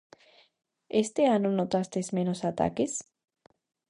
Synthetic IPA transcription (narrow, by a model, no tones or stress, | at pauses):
est̪eanonot̪ast̪ezmenosat̪a̰kes